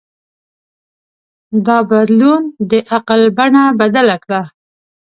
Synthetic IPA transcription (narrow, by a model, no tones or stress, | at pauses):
d̪ɑbad̪lund̪əʔaqalbaɳabad̪alakɽa